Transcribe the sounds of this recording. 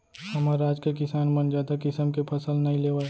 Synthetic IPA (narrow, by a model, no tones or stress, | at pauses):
hɐmaɾaːd͡ʒkekɪsaːnmɐnd͡ʒaːd̪akɪsəmkepʰɐsəlnɐɦĩleːʋae